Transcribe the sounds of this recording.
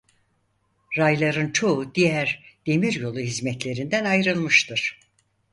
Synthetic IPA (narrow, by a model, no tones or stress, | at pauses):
ɾajlˠaɾɯnt͡ʃʰo̞ud̪ijæɾd̪̥e̞miɾjo̞lˠuɦizmɛt̪lʲe̞ɾind̪ænajɾɯlˠmɯʃt̪ʰɯɾ̥